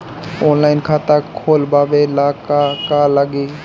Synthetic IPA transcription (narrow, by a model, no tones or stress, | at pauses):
oːnlaːɪnkʰaːt̪akʰoːlbaːʋelaːkakaləɡiː